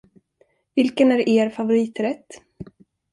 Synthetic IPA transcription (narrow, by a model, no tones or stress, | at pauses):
vɪlkənæɾeːɾfavʊɾiːt̪ɾɛt̪ː